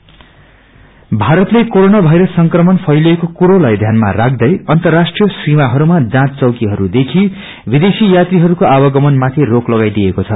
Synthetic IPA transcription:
bʱaɾʌt̪lekoɾonabʱʌjɾʌssʌŋkrʌmʌnpʰʌjloekokuɾolajd̪ʱjanma̰rak̚ʰd̪ʌjʌnt̪ʌrːasʈrijʌsrimaɦʌɾumad͡zãt̪t͡sʌwkiɦʌɾud̪ekʰi | bid̪esijat̪riɦʌɾukoabʌɡʌmʌnmat̪ʰiroklʌɡajd̪ijekot͡sʰʌ

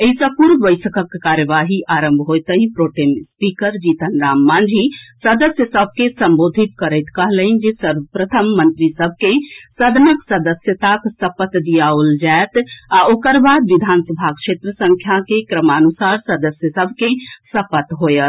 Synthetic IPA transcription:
eɦisəpuɾbəɪsəkəkːaɾjəʋaɦiʔaɾəmbʱɦojt̪əɦĩpɾoʈemspikəɾd͡ʒit̪ənɾamːand͡ʒʱisəd̪əsjəsəbʱkesəmbod̪ʱit̪̚kəɾəɪt̪kəɦlənd͡ʒesəɾʋəpɾət̪ʰəmːənt̪ɾisəbʱkesəd̪ʱənəksəd̪əsjət̪aksəpət̪d̪ijaold͡ʒaet̪aʔokəɾbad̪ʋid̪ʱansəbʱakʃʰet̪ɾəsəŋkʰjakekɾəmaənusaɾsəd̪əsjəsəbʱkesəpət̪ɦojət̪

